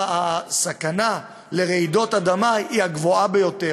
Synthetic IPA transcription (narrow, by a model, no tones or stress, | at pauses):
asakana | le̞ʁeido̞tad̪amajiaɡvoabe̞jo̞te